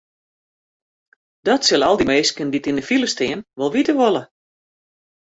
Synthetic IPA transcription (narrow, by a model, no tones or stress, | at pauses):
d̥ɔtsɪlˠɔlˠdimeːskənditindəfiləstɪənʋɔlˠʋitəʋolˠə